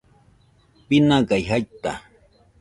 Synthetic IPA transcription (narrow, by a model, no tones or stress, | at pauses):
pɪnaɢajɦajt̪a̰